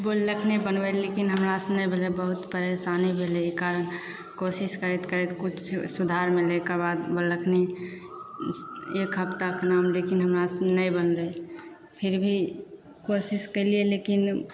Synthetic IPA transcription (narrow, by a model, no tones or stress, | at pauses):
bolːəkʰnebənʋəlekɪnɦəmɾasnəjbʱelebəɦʊt̪pəɾesaːnebʱeleekaːɾən | kosɪskəɾet̪kəɾɛt̪kʊt͡ʃʰsʊd̪ʱaːɾmẽlekəɾbaːd̪bolːəkʰne | ekʰəpt̪akənaːmlekɪnɦəmɾasnəĩbənle | pʰɪɾbʱi | kosɪskelielekɪn